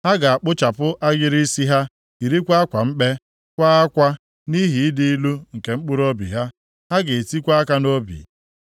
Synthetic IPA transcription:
ha˦ɡa˨a˨k͡pʊ˦t͡ʃa˨pʊ˦ʔa˦ɡɪ˦ɾi˦si˦ɦa˦ | i˨ɾi˦kʷa˦a˦kʷa˨m̩˦k͡pe˦ | kʷa˦a˦kʷa˦ | ni˦ɦi˨˦dɪ˦i˦lu˦ŋ̩˨ke˨ŋ͡m̩˦k͡pʊ˦ɾo˦bḭ˨ɦa˦ | ha˦ɡe˨ti˦kʷa˦a˦ka˦no˦bḭ˨

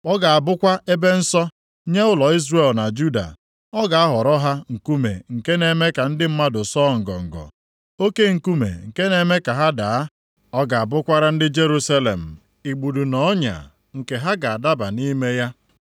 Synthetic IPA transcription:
ɔ˦ɡa˨a˨bʊ˦kʷa˦e˦be˦n̩˦sɔ˦ | ɲe˦ʊ˦lɔ˨i˦zɾe˦˨lna˨d͡ʒu˦da̰˨ | ɔ˦ɡa˨a˦ɦɔ˨ɾɔ˦ɦa˦ŋ̩˨ku˦mḛ˨ŋ̩˨ke˦ne˨me˦ka˨n̩˦dɪ˦m̩˦ma˦dʊ˨sɔː˦˨ŋ̩˨ɡɔ̰˨ŋ̩˨ɡɔ̰˨ | o˦ke˦ŋ̩˨ku˦mḛ˨ŋ̩˨ke˦ne˨me˦ka˨ɦa˦da˨a˦ | ɔ˦ɡa˨a˨bʊ˦kʷa˦ɾa˦n̩˦dɪ˦d͡ʒe˦ɾu˦sa˦le˨m̩˨ | i˨ɡ͡bu˨du˨nɔ˨˦ɲa̰˨ | ŋ̩˨ke˨ɦa˦ɡa˨a˨da˦ba̰˨ni˦me˦ja˦

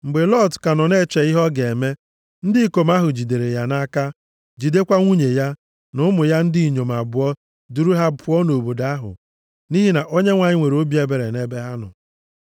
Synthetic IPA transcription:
ŋ͡m̩˨ɡ͡be˨lɔ˦dka˨nɔ˨ne˦˨t͡ʃe˨i˦ɦɔ˦ɡe˨me˦ | n̩˦dɪ˦i˦ko˨m˦a˦ɦʊ˨d͡ʒi˨de˨ɾe˨ja˦na˦ka˦ | d͡ʒi˨de˦kʷa˦ŋʷu˦ɲe˨ja˦ | nʊ˦mʊ˨ja˦n̩˦di˦i˨ɲo˨ma˨bʊ˨ɔ˦ | du˦ɾu˦ɦa˦pʊ˦ɔ˦no˨bo˨da˦ɦʊ̰˨ | ni˦ɦi˦na˨ʔo˦ɲe˦ŋʷa˨ɲɪ˦ŋʷe˨ɾo˦bi˦e˨be˨ɾḛ˨ne˦be˦ɦa˦nʊ̰˨

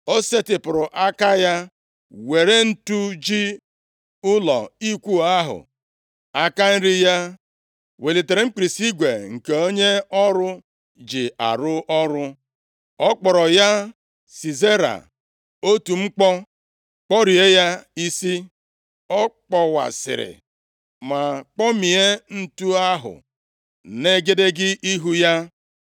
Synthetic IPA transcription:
o˦se˦tɪ˨pʊ˨ɾʊ˨ʔa˦ka˦ja˦ | we˨ɾe˦n̩˦tu˦d͡ʒi˦ | ʊ˦lɔ̰˨i˦kʷu˦˨a˦ɦʊ̰˨ | a˦ka˦n̩˦ɾi˦ja˦ | we˨le˨te˨ɾe˨ŋ͡m̩˦k͡pi˨ɾi˨si˦ɡʷe˨ŋ̩˨ke˨o˦ɲe˦ɔ˦ɾʊ˦ | d͡ʒɪ˨a̰˨ɾʊ˦ʔɔ˦ɾʊ˦ | ɔ˦k͡pɔ˨ɾɔ˨ja˦ | si˨ze˦ɾa̰˨ | o˦tu˨ŋ͡m̩˦k͡pɔ˦ | k͡pɔ˦ɾi˨e˦ja˦i˦si˦ | ɔ˦k͡pɔ˨wa̰˨sɪ̰˨ɾɪ̰˨ | ma˨k͡pɔ˦mi˨e˦n̩˦tu˦a˦ɦʊ̰˨ | ne˦ɡe˦de˦ɡɪ˦ʔi˦ɦu˦ja˦

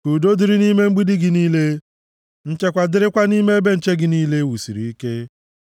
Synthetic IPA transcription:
ku˨do˦di˨˦ɾi˦ni˦me˦ŋ͡m̩˦ɡ͡bi˦dɪ˦ɡɪ˨niː˦le˦ | n̩˦t͡ʃe˦kʷa˨dɪ˦ɾɪ˦kʷa˦ni˦me˦be˦n̩˨t͡ʃe˦ɡɪ˨niː˦le˦wu˨si˨ɾḭ˨i˦ke˦

